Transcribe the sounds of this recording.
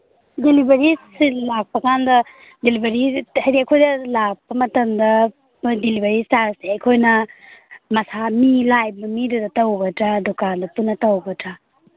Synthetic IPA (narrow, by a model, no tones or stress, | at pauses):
delibɐɾisilak̚pʰɐkandɐ | delibɐɾihɐɾiakʰojdɐlak̚pɐmɐtɐmdɐ | delibɐɾistaɾseɐjkʰojnɐ | mɐsamilajbɐmidudɐtɐwbɐtɾadokandɐpunːɐtɐwbɐtʰɾa